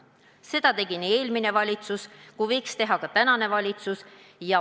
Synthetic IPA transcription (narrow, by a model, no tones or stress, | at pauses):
se̞d̪̥ɑt̪e̞ɡ̥inie̞ːlmine̞vɑlʲit̪suskuvɤ̞jkst̪e̞ɦɑkɑt̪ænɑne̞vɑlʲit̪sus | jɑ